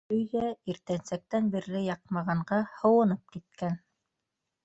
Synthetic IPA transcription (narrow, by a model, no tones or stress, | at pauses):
ɵ̆jðæiɾt̪ænsæk̚t̪ænbiɾlɘjɑq̚mɑʁɑɴɢɑhŏwɤ̆nɤp̚kit̪̚kæn